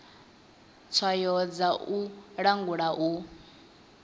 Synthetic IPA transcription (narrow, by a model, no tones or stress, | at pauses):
t͡sʰwajɔd͡zauɺaŋɡuɺaʔu